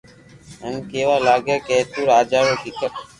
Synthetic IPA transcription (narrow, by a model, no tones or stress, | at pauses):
ənkeːʋaːlaːɡeːkeːt̪uːɾaːd͡ʒaːʋoːkɪkə